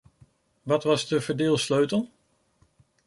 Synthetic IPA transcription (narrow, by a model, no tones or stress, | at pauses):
ʋɑtʋɑzdəvəɹdɪːlˠsløɥtəlˠ